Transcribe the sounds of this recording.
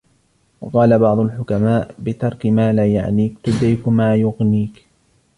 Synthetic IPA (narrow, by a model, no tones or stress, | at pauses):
wɑqɑːlabɑʕd̪ˤʊlħʊkamaːʔbɪt̪ɑɾˤkɪmaːlaːja̰ʕniːkt̪ʊd̪ajkmaːjʊɣniːk